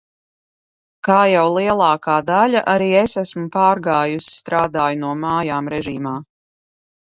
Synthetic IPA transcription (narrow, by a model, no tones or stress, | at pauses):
kaːjawlˠiɛlˠɑːkaːd̪alʲaʔaɾiːesæsmupaːɾɡaːjusi̥st̪ɾaːd̪aːjunuɔmaːjaːmɾɛʒiːmaː